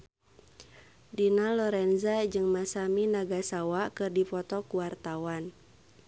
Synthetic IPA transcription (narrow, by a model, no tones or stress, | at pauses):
dinalɔɾɛnzad͡ʒɨŋmasaminaɡasawakɨrdipɔt̪ɔkuwart̪awan